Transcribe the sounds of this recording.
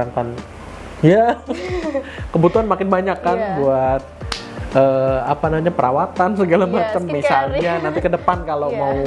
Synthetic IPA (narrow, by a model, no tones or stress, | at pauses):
aŋkan | ja | kəbut̪uɦanmakɪnbaɲakːanbuat̪̚ | əːapanamaɲapəɾʔawat̪ansəɡalamat͡ʃəmːisalɲanant̪ikədəpankalomau